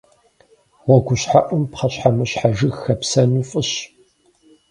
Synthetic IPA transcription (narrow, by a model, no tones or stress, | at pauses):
wɔɡʷʊɕħaʔʷʊmpqɐɕħamɨɕħaʒɨxxɐpsɐnuːfʼɨɕ